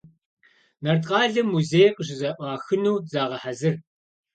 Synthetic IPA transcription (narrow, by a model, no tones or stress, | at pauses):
nɐrtʼqʼɑːɮɐmːuzeːjqəʑ̬ɪzɐʔʷɑːxɨnuːzaːʁɐħazɨr